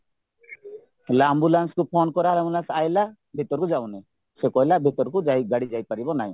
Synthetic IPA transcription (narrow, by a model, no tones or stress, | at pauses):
hlaambulanskupʰonkɔɾalambulansajla | bʱit̪ɔɾkud͡ʒawnɛ | sekɔjlabʱit̪ɔɾkud͡ʒaj̚ɡaɽid͡ʒajpaɾibɔnaj̃